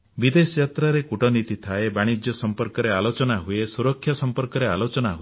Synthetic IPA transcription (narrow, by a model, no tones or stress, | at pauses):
bid̪esɔjat̪ɾaɾekuʈɔnit̪it̪ʰaebaɽ̃id͡ʒjɔsɔmpɔɾkɔɾealot͡ʃɔnaɦuesuɾɔkʰːjasɔmpɔɾkɔɾealot͡ʃɔnaɦue